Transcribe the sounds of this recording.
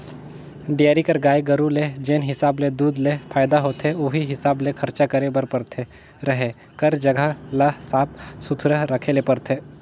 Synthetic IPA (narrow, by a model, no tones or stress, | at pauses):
ɖijaːɾikɐɾɡaːjɡəɾuled͡ʒeːnɦɪsaːbled̪uːd̪lepʰaːɪd̪aɦoːt̪ʰeoɦiɦɪsaːblekʰɐɾt͡ʃakəɾebəɾpəɾt̪ʰe | ɾəɦe | kəɾd͡ʒɐɡʱalasaːp̚sʊt̪ʰɾəɦɾəkʰelepɐɾt̪ʰeː